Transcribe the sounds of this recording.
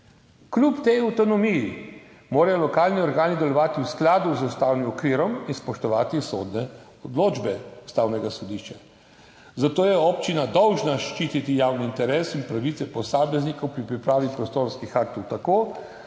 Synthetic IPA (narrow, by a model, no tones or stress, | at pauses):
klupt̪ɛjawt̪ɔnɔmiji | moːɾajɔlɔkaːlniɔɾɡaːnid̪ɛlɔʋaːt̪iwsklaːd̪uzust̪aːwnimɔkʋiːɾɔminspɔʃt̪ɔʋaːt̪isoːd̪nɛ | ɔd̪loːd͡ʒbɛust̪aːwnɛɡasɔd̪iʃt͡ʃa | zat̪oːjɛɔːpt͡ʃinad̪ɔwʒnaʃt͡ʃiːt̪it̪ijawniːnt̪ɛɾeːsinpɾaʋit̪sɛpɔsaːmɛznikɔwpɾipɾipɾaːʋipɾɔst̪oːɾskixak̚t̪ɔwt̪akoː